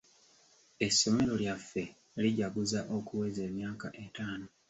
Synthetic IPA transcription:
e̞sːo̞me̞ɾo̞ljafːe̞ | liɟaɡuzaʔo̞kuwe̞ːze̞ːmjaːkaʔetaːno̞

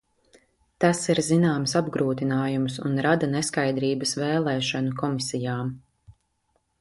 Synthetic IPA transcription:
t̪asiɾzinaːmsabɡɾuːt̪inaːjumsṵnɾad̪aneskajd̪ɾiːbɐsvɛːlˠɛːʃanukɔmisijaːm

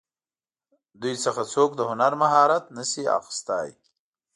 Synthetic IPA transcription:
d̪ujsəxat͡sok̚d̪əhʊnaɾmaɦɑːɾat̪nəsia̰xɪ̥st̪aj

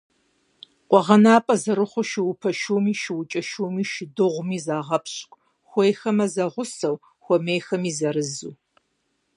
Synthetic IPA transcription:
qʷʼɔʁɐnaːpʼɐzɐɾɨχʷʊʃɪwʊpʰɐʃuːmiːʃɪwʊt͡ʃʼɐʃuːmiːʃɪdɨʁʷmiːzaːʁɐpɕʼkʷʼ | xʷejxɐmɐzɐʁʷʊsɐw | xʷɔmeːjxɐmiːzɐɾɨzṵː

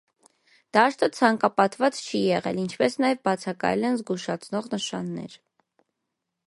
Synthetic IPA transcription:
d̪̥ɑʃt̪ət͡sʰɑŋkɑpɑt̪vɑt͡st͡ʃʰijɛʁɛ̰lint͡ʃʰpɛsnɑjɛvbɑt͡sʰɑkɑ̰jɛlɛnzɡuʃɑt͡sʰnɔʁnəʃɑnːɛ̰ɾ

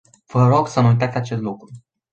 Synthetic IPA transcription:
v̥əɾo̞ɡsənouit̪jat̪ʲat͡ʃe̞st̪lukɾu

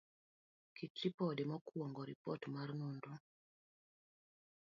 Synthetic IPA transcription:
kʰitɾipɔdemɔkwɔŋɡɔɾipɔ̰tmarnundu

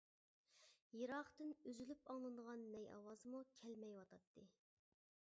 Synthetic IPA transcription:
jeɾɑχt̪ɨnøzylypɑŋlˠɨnd̪əʁɑnːɛjɑ̰wɑzɨmukʲʰɛlmɛjwɑt̪ʰɑt̪ʰːɨ

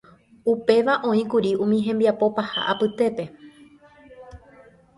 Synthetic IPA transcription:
upe̞ʋaʔõ̞ĩkuɾiũmĩɦẽ̞mbiapo̞paha̰ʔapɨt̪e̞pe̞

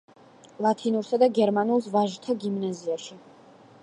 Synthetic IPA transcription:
lˠat̪ʰinuɾsad̪aɡɛɾmanulˠsvaʒt̪ʰaɡimnaziaʃi

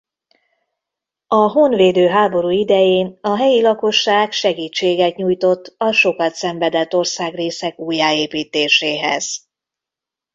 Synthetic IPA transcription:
ɒɦoːnveːd̪øːɦaːbo̞ɾuːid̪ɛjeːnɒɦɛjilɒko̞ʃːaːkʃɛɡiːt͡ʃːeːɡɛt̪ɲuːjt̪o̞t̪ːɒʃo̞kɒt̪sɛɱvɛd̪ɛt̪ːo̞rsaːɡreːsɛkuːjːaːeːpiːt̪eːʃeːɦɛ̰z̥

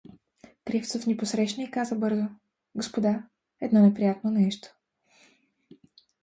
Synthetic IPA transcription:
kɾʲɛft̪sofniposɾɛʃnəikazəbɤɾzo | ɡospod̪a | ɛd̪nɔnɛpɾijat̪nonɛʃt̪o̥

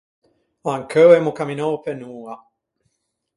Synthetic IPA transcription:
aŋkʰəwɛmukaminowpenuːa

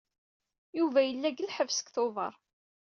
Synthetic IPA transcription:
juvæjəlːæɡəlħəvsə̥kθovə̰ɾˤ

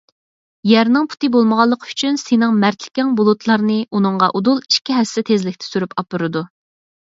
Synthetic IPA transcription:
jæɾnɨŋpʰu̥t̪ɨbolˠməʁɑlˠːəqʰyt͡ʃʰynsenɪŋmæɾt̪ʰlɪ̥kʲɛŋbulˠut̪ʰlˠɑɾnɨunɨŋʁɑʔud̪ulˠiʃkʲːiɦɛsːɪt̪ʰezlɪkʲt̪ʰɪ̥syɾypʰɑp̚ɨɾɨd̪u

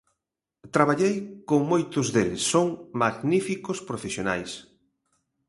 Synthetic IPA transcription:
t̪ɾaβaʎejkoŋmojt̪ʊzðelɪsːoŋmaɣnifikʊspɾofesjona̰js

